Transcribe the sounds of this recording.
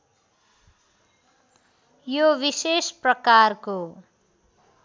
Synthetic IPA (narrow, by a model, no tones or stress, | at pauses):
joβisesprʌkarko